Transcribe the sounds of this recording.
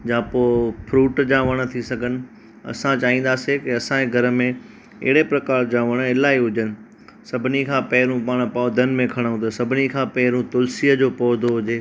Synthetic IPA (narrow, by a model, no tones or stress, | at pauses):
d͡ʑãːpoːpʰɾuːʈd͡ʑãːʋɐɽ̃ə̆t̪ʰisɐɡʱənɪ̆ | ɐ̰sãt͡ɕaːɦĩːn̆d̪aːsekɪɐsãeɡʱɐɾəmẽ | ɪ̰ɦɪɽepɾɐkaːɾd͡ʑãːʋɐɽ̃ɪlaːiɦʊd͡ʑənɪ̆ | sɐbʱɪnikʰãːpɐɦɪɾũpaːɽ̃paːd̪ʱənɪ̆mẽkʰɐɽ̃ɦũt̪ɐsɐbʱɪnikʰãːpɐɦɪɾũt̪ʊlsiəd͡ʑoːpɔːd̪ʱoɦʊd͡ʑeː